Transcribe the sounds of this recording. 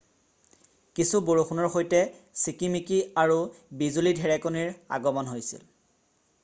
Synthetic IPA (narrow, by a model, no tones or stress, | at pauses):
kisuboɹuxʰunɔɹxojtɛsikimikiaɹubizulidʱɛɹɛkoniɹa̰ɡɔmɔnɦojsḭl